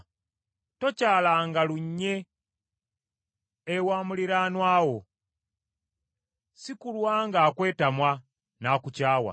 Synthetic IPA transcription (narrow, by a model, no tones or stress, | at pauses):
to̞caːlaŋɡaluɲːe̞ | waːmuliɾaːnwaːwo̞ | sikulwaːŋɡaːkwe̞ːtamwa | naːkucaːwa̰